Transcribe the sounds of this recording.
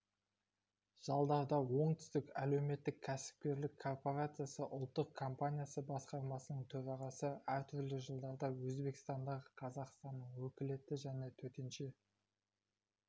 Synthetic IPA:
ʒ̥ɑlˠd̪ɑɾd̪ɑwo̞ɴt̪ʰʏ̥st̪ɪkæle̞wme̞t̪ːɪkʲʰːæsɪ̥p̚kʲe̞ɾlɪkʰːo̞rpo̞ɾat̪sɨjasəʔʊlˠt̪ːəqkʰo̞mpanʲijasəbɑsqɑɾmɑsənəɴt̪ʰɵɾɑʁɑsəæɾt̪ʰʏɾlɪʒəlˠd̪ɑɾd̪ɑwɵzbe̞kʲɪ̥st̪ɑnd̪ɑʁəqʰɑzɑqst̪ɑnːəɴwɵkʲɪle̞t̪ɪʒæne̞t̪ʰɵt̪e̞nʃe̞

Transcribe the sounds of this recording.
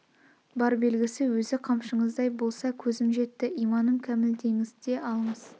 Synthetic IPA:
bɑɾbe̞lɡʲɪsɪwɵzɪqʰɑmʃəɴəzd̪ɑjbo̞lˠsɑkʲʰɵzɪmʒe̞t̪ːɪʔijmɑnəmkʲʰæmɪld̪ʰe̞ŋɪzd̪e̞ʔɑlˠəɴəz̥

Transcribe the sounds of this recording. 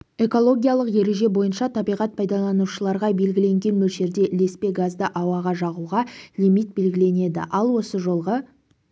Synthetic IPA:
e̞ko̞lˠo̞ɡʲijalˠəqje̞ɾe̞ʒe̞bo̞jənʃɑt̪ʰɑbijʁɑt̪̚pʰɑjd̪ɑlˠɑnuʃəlˠɑɾʁɑbe̞lɡʲɪle̞ŋɡʲe̞nmɵlʃe̞ɾd̪e̞ʔɪle̞spe̞ɡazd̪əʔɑwɑʁɑʒɑʁuʁɑlimit̪̚be̞lɡʲɪle̞ne̞d̪ɪ̰ʔɑlˠwo̞səʒo̞lˠʁə

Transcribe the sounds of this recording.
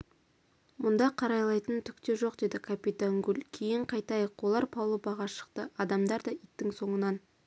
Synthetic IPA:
mʊnd̪ɑqʰɑɾɑjlˠɑjt̪ənt̪ʰʏk̚t̪e̞ʒo̞qd̪e̞d̪ɪkʰapʲit̪aŋɡʉlʲkʲʰe̞jɪɴqʰɑjt̪ɑjəqwo̞lˠɑɾpʰɑwlˠəbɑʁɑʃə̥qt̪əɑd̪ɑmd̪ɑɾd̪ɑit̪ːɪŋso̞ɴənɑn

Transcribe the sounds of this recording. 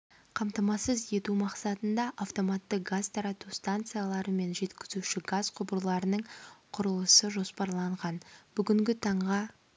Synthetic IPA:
qʰɑmt̪ɑmɑsəzje̞t̪umɑqsɑt̪ənd̪ɑʔaft̪o̞mɑt̪ːəqɡazt̪ʰɑɾɑt̪ust̪ant̪sɨjalˠɑɾəme̞nʒe̞t̪kʲɪzuʃɪɡazqʰʊbəɾlˠɑɾənəɴqʰʊɾəlˠəsəʒo̞spɑɾlˠɑɴʁɑnbʏɡʲɪŋɡʲɪt̪ʰɑɴʁɑ

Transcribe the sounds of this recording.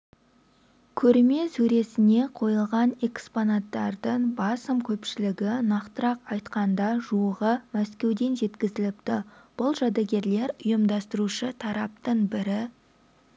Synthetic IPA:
kʲʰɵɾme̞sɵɾe̞sɪne̞qʰo̞jəlˠʁɑne̞ksponat̪ːɑɾd̪əɴbɑsəmkʲʰɵpʃɪlɪɡʲɪnɑqt̪əɾɑqɑjt̪qɑnd̪ɑʒuəʁəmæskʲe̞wd̪e̞nʒe̞t̪kʲɪzɪlɪpt̪ɪb̥ʊlˠʒɑd̪ɑɡʲe̞ɾle̞ɾʊjəmd̪ɑst̪əɾuʃət̪ʰɑɾɑp̚t̪əɴbɪɾɪ

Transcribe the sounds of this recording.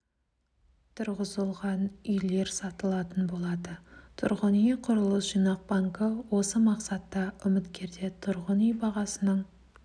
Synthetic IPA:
t̪ʰʊɾʁəzəlˠʁɑnʏjle̞ɾsɑt̪əlˠɑt̪ənbo̞lˠɑd̪ət̪ʰʊ̰ɾʁənijqʰʊɾəlˠəsʒ̥ijnɑq̚bɑŋkəwo̞səmɑqsɑt̪ːɑʏmɪt̪kʲe̞ɾd̪e̞t̪ʰʊɾʁənʏjbɑʁɑsənəɴ

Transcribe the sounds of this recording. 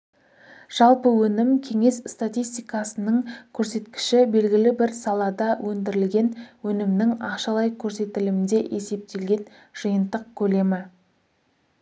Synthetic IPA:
ʒ̥ɑlˠpəwɵnɪmkʲʰe̞ŋe̞sst̪at̪ijst̪ijkɑsənəɴkʲʰɵɾse̞t̪kʲɪ̥ʃɪbe̞lɡʲɪlɪbɪɾsɑlˠɑd̪ɑwʔɵnd̪ɪɾɪlɡʲe̞nwɵnɪmnɪŋɑqʃɑlˠɑjkʲʰɵɾse̞t̪ɪlɪmɪnd̪e̞ʔe̞se̞p̚t̪e̞lɡʲe̞n | ʒ̥əjənd̪əq̚kʲʰɵle̞mɪ

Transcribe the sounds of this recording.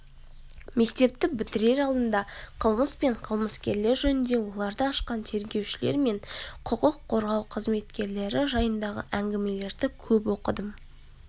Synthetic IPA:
me̞kt̪e̞p̚t̪ɪbɪt̪ɪɾe̞ɾɑlˠd̪ənd̪ɑqʰəlˠməspe̞ɴqʰəlˠməskʲe̞ɾle̞ɾʒɵnɪnd̪e̞wo̞lˠɑɾd̪əɑʃqɑnt̪ʰe̞ɾɡʲe̞wʃɪle̞̰ɾme̞ɴqʰʊqəqʰːo̞ɾʁɑwqʰəzme̞t̪kʲe̞ɾle̞ɾɪʒɑjənd̪ɑʁə̰ʔæŋɡʲɪme̞le̞ɾd̪ɪkʲʰɵpwo̞qəd̪əm

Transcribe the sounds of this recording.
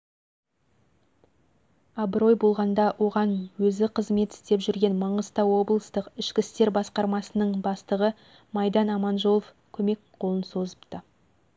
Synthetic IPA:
ɑbɾo̞jbo̞lˠʁɑnd̪ɑwʔo̞ʁɑnwɵzɪqʰəzme̞t̪ɪ̥st̪e̞pʒʏɾɡʲe̞nmɑɴəzt̪ɑwo̞blˠəst̪əqɪʃkʲɪst̪e̞ɾbɑsqɑɾmɑsənəɴbɑst̪əʁə | mɑjd̪ɑnɑmɑnʒo̞lˠof | kʲʰɵme̞kqʰo̞lˠənso̞zəpt̪ə

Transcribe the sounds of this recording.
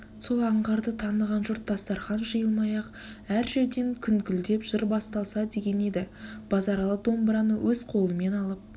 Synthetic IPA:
so̞lˠɑɴʁɑɾd̪ət̪ʰɑnəʁɑnʒʊɾt̪̚d̪ɑst̪ɑɾχɑnʒəjəlˠmɑjɑq | æɾʒe̞ɾd̪e̞ŋkʲʰʏnŋkʲʏld̪e̞pʒ̥ɪɾbɑst̪ɑlˠsɑd̪e̞ɡʲe̞ne̞d̪ɪb̥ɑzɑɾɑlˠəd̪o̞mbɾɑnəwʔɵzqʰo̞lˠəme̞nɑlˠəp̚

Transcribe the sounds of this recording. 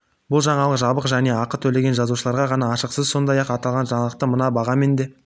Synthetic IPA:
bʊlˠʒɑɴɑlˠəqʒɑbəqʒæne̞ɑqət̪ʰɵle̞ɡʲe̞nʒɑzuʃəlˠɑɾʁɑʁɑnɑːʃəqsəzso̞nd̪ɑjɑqɑt̪ɑlˠʁɑnʒɑɴəlˠəq̚t̪əmənɑbɑʁɑme̞nd̪e̞

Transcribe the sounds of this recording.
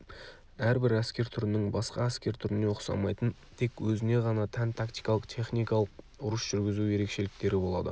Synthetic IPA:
æɾbɪɾæskʲe̞ɾt̪ʰʏɾɪnɪŋbɑsqɑæskʲe̞ɾt̪ʰʏɾɪnewoqsɑ̰mɑjt̪ən | t̪ʰe̞kwɵzɪne̞ʁɑnɑt̪ʰænt̪ʰakt̪ʲijkɑlˠəqt̪ʲʰe̞χnijkɑlˠəq | ʊɾəsʒ̥ʏɾɡʲɪzuje̞ɾe̞kʃe̞lɪkt̪e̞ɾɪbo̞lˠɑ̰d̪ə̰

